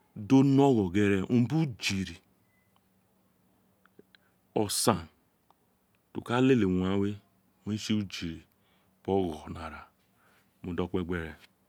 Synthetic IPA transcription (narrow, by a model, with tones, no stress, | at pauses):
do˦no˦ɣɔ˨ɡe˦ɾe˦m̩˦bu˦d͡ʒi˨ɾi˨ | ɔ˨sa˦˨n | tṵ˨ka˦le˦le˨ŋ˨a˦we˦ | me˦n˦si˦u˦d͡ʒi˨ɾi˨ | bɔ˦ɣɔ˨na˨ɾa˨ | mu˨dɔ˦k͡pe˦ɡ͡be˦ɾe˨